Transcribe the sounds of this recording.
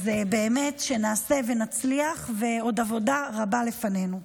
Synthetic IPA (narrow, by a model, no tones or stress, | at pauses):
zebe̞ːme̞tʃe̞naːse̞ve̞nat͡sliaχve̞o̞davo̞daʁabale̞fane̞nu